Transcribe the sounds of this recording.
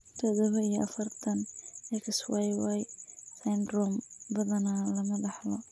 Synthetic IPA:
t̪ʰɔðɔβɐijɔʔɐfɐrt̪ʰɐnɛkswajwajsajnd̪rɔmbɐðɐnalɐmɐbɑħlɔ

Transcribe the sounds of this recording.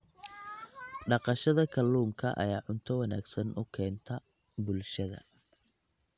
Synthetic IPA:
ɖɑqɑʃɐðɐkʰɐlːuːŋkʰɐ̰ʔɐ̰jaːʕʊnt̪ʰɔwɑna̰ːɡsɐnʔʊkʰɛːnt̪ʰɐ | bʊlʃɐðɐ̰

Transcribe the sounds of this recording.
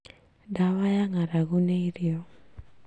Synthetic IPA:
dawajaŋaɾaɣuneiɾio

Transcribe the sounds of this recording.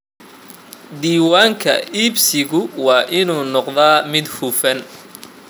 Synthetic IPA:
d̪iːwaːŋkʰɐ̰iːbsɪɣʊwɑːʔɪnuːnɔqðaːmɪd̪hufɐn

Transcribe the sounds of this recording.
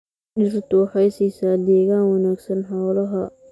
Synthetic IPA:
d͡ʒɪrt̪ʰʊwɑħɑjsiːsaːd̪ɛːɣaːnwɑnaːɡsɐnħɑwlɐɦɐ

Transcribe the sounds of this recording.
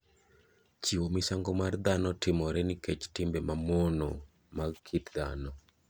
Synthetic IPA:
t͡ʃiwomisaŋɡɔmard̪anɔtɪmɔɾɛnikɛt͡ʃtɪmbɛmamɔnɔ̰ | makʰitd̪a̰nɔ

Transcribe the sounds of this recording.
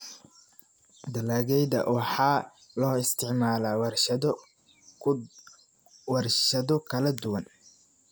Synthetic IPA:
d̪ɐlaːɣɛjðɐ̰wɑħɑː | lɔːɪst̪ʰɪʕmaːlawr | wɐrʃɐðɔkʰɐlɐd̪ʊwɐn

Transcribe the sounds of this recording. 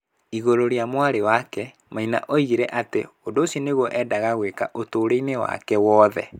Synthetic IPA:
iɣoɾoɾjamwaɾewakɛ | maina̰ʔoiɣiɾɛʔateondoːsɔneɣwɔʔɛːdaɣaɣwekaʔotoːɾeinewa̰kɛwɔːðɛ̰

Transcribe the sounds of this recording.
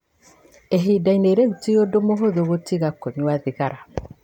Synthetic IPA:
eɦiːdaineɾeɣutiodomoɦoðoɣotiɣakoɲwaðiɣaɾa

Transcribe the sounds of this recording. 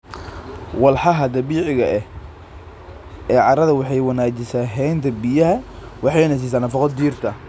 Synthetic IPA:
wɑlħɑɦɐd̪ɐβiːʕɪɣɐɛh | ɛːʕɑɾɐðɐwɑħɑjwɑnaːt͡ʃɪsaːɦɛjnt̪ʰɐbijɐɦɐwɑħɑjnɐs̬iːs̬aːnɐfɑqɔd̪iːrt̪ʰɐ

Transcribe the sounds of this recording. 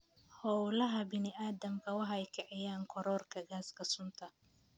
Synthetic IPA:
hɔwlɐɦɐbɪnɪaːd̪ɐmkʰɐwɑħɛjkʰɛʕɛjaːŋkʰɔɾɔːrkʰɐɡaːskʰɐsʊnt̪ʰɐ

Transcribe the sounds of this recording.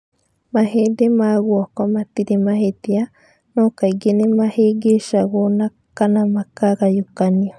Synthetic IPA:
maɦed̪emaɣwakamat̪iɾemahet̪ia | nokaiɡenemaheɡeʃaɣona | kanamakaɡajukanio

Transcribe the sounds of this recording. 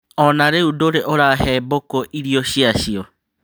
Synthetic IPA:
ɔnaɾeudoɾeʔoɾaɦɛbokoʔiɾiɔɕiaɕiɔ

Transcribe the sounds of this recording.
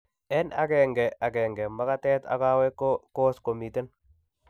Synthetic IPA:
ɛna̰kɛŋɡɛaɡɛŋɡɛmakatɛːta̰kawɛkkoskomiten

